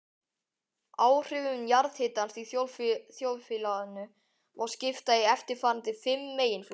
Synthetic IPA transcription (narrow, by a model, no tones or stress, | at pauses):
aːwr̥ʏvʏnjaɾðhɪːt̪anst̪iθjowfθjowðfɪlaðʏnʏ | vaɾscɪft̪aiɛft̪ɪɾfaːɾnt̪ɪfɪmːeːjɪnfl